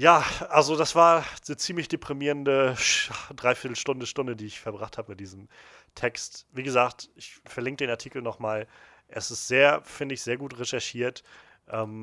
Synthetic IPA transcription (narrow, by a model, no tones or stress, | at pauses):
jaːʔalzodasv̥aːɐət͡siːmlɪçd̥epʁ̥imiːʁəndə | dʁaɪfiɐtl̩ʃtʊndəʃtʊndədiːɪçfɛɐbʁaχtʰhaːbəmɪt̚d̥iːzəm̩ | tʰɛkstviːɡəzaːktʔɪçfɛɐlɪŋk̚d̥eːnaɐtʰiːkl̩nɔχmaːlʔɛsɪstz̥eːɐfɪndəɪçz̥eːɐɡuːtʁeʃɛɐʃiːɐt | ʔɛːm